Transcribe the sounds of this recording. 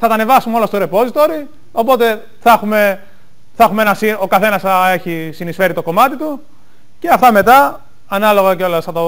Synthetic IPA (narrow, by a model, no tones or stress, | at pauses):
θɐt̪ɐne̞vɐsumeo̞lɐst̪oɾe̞po̞zit̪o̞ɾi | o̞po̞t̪e̞ | θɐxume̞ | θɐxumeenɐsio̞kɐθe̞nɐsɐe̞çisinisfe̞ɾit̪o̞ko̞mɐt̪it̪u | ce̞ɐft̪ɐme̞t̪ɐ | ɐnɐlo̞ɣɐceo̞lɐsθɐt̪o